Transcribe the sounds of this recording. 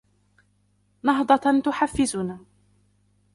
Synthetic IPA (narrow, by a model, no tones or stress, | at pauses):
nɑɦd̪ˤɑt̪ʊħafːɪzʊnaː